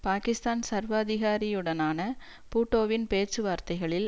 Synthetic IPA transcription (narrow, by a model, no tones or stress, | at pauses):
paːkɪst̪aːnsɐɾʋɐːðɪɣaːɾɪjɯɽɐnaːnɐ | puːʈːoːʋɪnpeːt͡ʃɯʋaːɾt̪ɐɪɣɐɭɪl